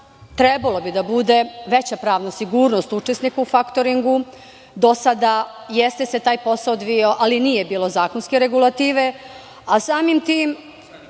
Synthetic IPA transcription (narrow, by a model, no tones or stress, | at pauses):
t̪ɾebalˠo̞bid̪abud̪e̞ʋe̞t͡ɕapɾaːʋnasiɡuːɾnost̪ut͡ʂesnikaufakt̪o̞ɾiŋɡu | d̪o̞sad̪a | jest̪e̞se̞t̪aːjpo̞saod̪ʋioʔaliniːjebiːlˠo̞zaːko̞nskeɾe̞ɡulˠat̪iːʋe̞ | asaːmimt̪iːm